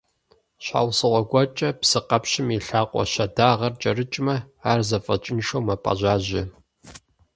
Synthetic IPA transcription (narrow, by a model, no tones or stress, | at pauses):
ɕʷa̰ːwsɨʁʷɔɡʷɔt͡ʃʼɐpsɨqɐpɕɪmiɬaːqʷʼɔ̰ɕɐdaːʁɐrt͡ʃʼɐrɨt͡ʃʼmɐ | aːrzɐfʼɐt͡ʃʼɪnʃowmɐpʼɐ̰ʑaːʑɪ